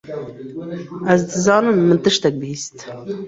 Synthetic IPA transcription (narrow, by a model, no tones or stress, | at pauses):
ʔæz̬d̪ɨzɑːnɨmːɨnt̪ɨʃt̪ɛk̚biist̪